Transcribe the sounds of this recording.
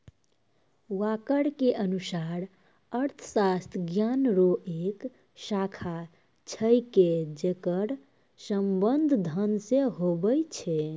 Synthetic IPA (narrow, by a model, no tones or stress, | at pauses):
wakəɽkeʔənusaɾ | əɾt̪ʰəsast̪ʰɡjanɾoʔek | sakʰa | t͡ʃʰəjked͡ʒekəɽ | səmbənd̪ʱd̪ʱənseɦobəjt͡ʃʰɛ